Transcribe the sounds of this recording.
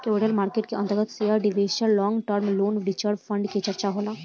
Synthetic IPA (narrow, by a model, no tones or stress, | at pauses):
keʋʈəlmaːɾkeʈkeʔə̃nt̪əɾɡət̪seəɾɖiʋeːʃəɾlɔːŋɡʈəɾmloːnɾit͡ʃəɾfʰəɳɖket͡ʃəɾt͡ʃaɦola